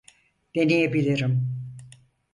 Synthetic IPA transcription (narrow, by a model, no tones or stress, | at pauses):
d̪̥enijebilʲiɾim